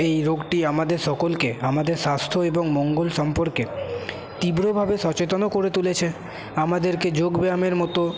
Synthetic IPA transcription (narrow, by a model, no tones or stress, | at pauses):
ejɾoɡʈiamad̪eɾʃɔkolkeamad̪eɾʃast̪ʰoeboŋmɔŋɡolʃɔmpoɾke | t̪ibɾobʱabeʃɔt͡ɕet̪onokoɾet̪ulet͡ɕʰe | amad̪eɾked͡ʑoɡbeameɾmɔt̪o